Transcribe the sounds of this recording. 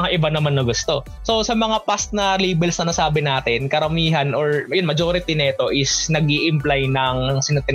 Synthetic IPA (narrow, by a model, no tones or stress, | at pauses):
aʔɪbanɐmanːɐɡʊst̪o̞ | so̞sɐmɐŋapast̪̚nɐliːbɛlsnɐnɐsaːbɪnaːt̪ɪnkɐɾɐmiːɦɐnʔoɹɐjonmɐd͡ʒo̞ːɾɪt̪inɐʔɛt̪o̞ʔɪsnɐɡʔiʔɪmplajnɐŋsɪnɐt̪ɪ